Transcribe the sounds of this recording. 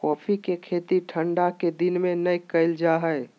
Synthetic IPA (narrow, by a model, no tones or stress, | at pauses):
kɔːpʰikekʰeːt̪iʈʰəɳɖaked̪ɪnmẽnəjkəɪld͡ʒaɦəɪ